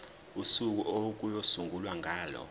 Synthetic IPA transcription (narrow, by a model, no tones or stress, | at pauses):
usuk̬uʔok̬ʼujosuŋɡʱulwaŋʱaːlɔ̰